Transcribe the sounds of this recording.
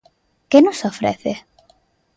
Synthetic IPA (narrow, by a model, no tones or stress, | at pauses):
kenosofɾḛθe